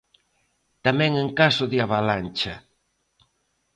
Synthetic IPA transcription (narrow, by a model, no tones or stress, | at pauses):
t̪amɛ̃ŋeŋkasoðeaβalant͡ʃa